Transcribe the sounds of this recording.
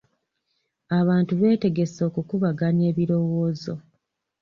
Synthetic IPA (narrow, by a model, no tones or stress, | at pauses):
aβaːntuβe̞ːte̞ɡe̞so̞kukuβaɡane̞ːβiɾo̞wo̞ːzo̞